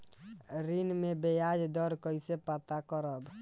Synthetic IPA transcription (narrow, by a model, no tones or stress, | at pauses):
ɾinmebejad͡ʒd̪ɔɾkəjsepat̪akəɾəb